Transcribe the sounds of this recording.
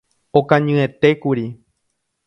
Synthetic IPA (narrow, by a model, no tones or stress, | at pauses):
okãɲɨ̃ẽt̪e̞kuɾi